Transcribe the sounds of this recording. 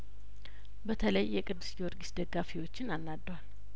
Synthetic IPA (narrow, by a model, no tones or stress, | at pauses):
bət̪ʰələjːɛkʼɨd̪ːɨsjɛwɔɾɡisd̪əɡːafiwo̞t͡ʃːɪnanːad̪ːwal